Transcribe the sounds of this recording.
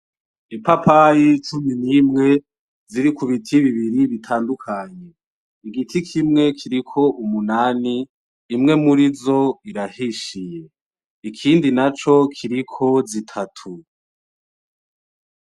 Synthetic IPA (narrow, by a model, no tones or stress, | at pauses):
ipapʰajit͡ʃuminimŋe̞ | ziɾikuβitʰiβiβiɾiβitʰaːndukʰaɲe̞ | iɡitʰikʰimŋe̞kʰiɾikʰo̞ʔumunaːniː | mŋe̞muɾizo̞iɾahiʃije̞ | ikʰiːndinat͡ʃo̞kʰiɾikʰo̞zitʰatʰu